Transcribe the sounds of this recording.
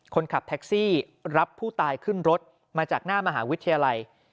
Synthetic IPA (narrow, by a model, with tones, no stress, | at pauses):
kʰo˧nkʰa˨˩p̚t̪ʰɛ˦˥k̚siː˥˩ | ɾa˦˥pʰːuː˥˩t̪aː˧jkʰɯ˥˩nɾo˦˥t̪̚ | maː˧t͡ɕaː˨˩k̚naː˥˩ma˧ɦa̰ː˩˦wi˦˥t̪ʰːa˧jaː˧la˧j